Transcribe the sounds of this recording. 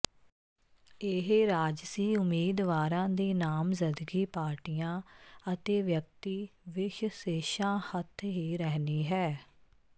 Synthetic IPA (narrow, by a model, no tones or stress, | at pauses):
eɦɾaːd͡ʒsiːʊmiːd̪ʋaːɾãːd̪eːnaːmzɪnd̪əɡiːpaːɾʈiːjãːət̪eːʋjək̚t̪iːʋɪʃseːʃãːhət̪ʰɦiːɾɛɦniːɦɛː